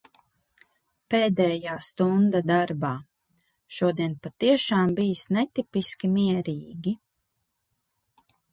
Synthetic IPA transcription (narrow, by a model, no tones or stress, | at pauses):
peːd̪ɛːjaːst̪und̪ad̪aɾbaː | ʃuɔd̪iɛnpat̪iɛʃaːmbijisnɛt̪ipiskʲimiɛɾiːɡʲi